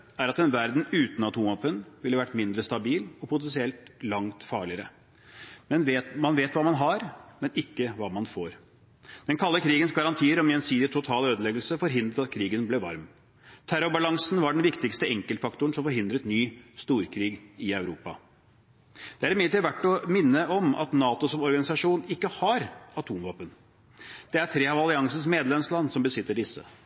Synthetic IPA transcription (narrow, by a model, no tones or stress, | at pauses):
æɾɑt̪ɛnʋæɾd̪n̩ʉːt̪n̩ɑt̪humɑpənʋɪlːəʋæʈːmɪnd̪ɾəst̪ɑbiːlɔpʰʊt̪ɛnsɪɛlt̪lɑŋt̪fɑːɭɪəɾə | mɛnʋeːt̪mɑnʋeːt̪ʋɑːmɑnɦɑɾmɛnɪkːəʋɑːmɑnfoːɾ | d̪̥ɛnkʰɑlːəkʰɾiːɡənsɡɑɾɑnt̪ʰiːəɾɔmjɛnsiːd̪ɪt̪ʰʊt̪ʰɑːløːd̪əlɛɡəlsəfɔɾɦɪnd̪ɾəɑt̪kʰɾiːɡənblɛʋɑɾm | t̪ʰæɾʊbɑlɑŋsn̩ʋɑɖɛnʋɪkt̪ɪkst̪əɛŋkəlt̪fɑkt̪ʊəɳ̩sɔmfɔɾɦɪnd̪ɾət̪nyːst̪uːɾkʰɾiːɡɪœʉɾuːpɑ̰ | d̪̥ɛæɾɛmɪlət̪iːɾʋæʈːɔmɪnːəɔmɑ̰t̪nɑːt̪ʊsɔmɔɾɡɑnɪsɑʂuːnɪkːəhɑɾɑt̪ʰuːmʋɑːpən | d̪̥ɛæɾtʰɾeːɑʋɑlɪɑŋsən̩smeːd̪lɛmslɑnːsɔmbəsɪt̪ːəɖɪsːə̰